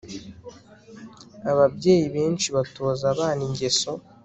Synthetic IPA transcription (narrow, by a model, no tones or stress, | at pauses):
aβabɟe̞ːjiβe̞ːnt͡ʃiβatoːzaβaːniɲɟe̞so̞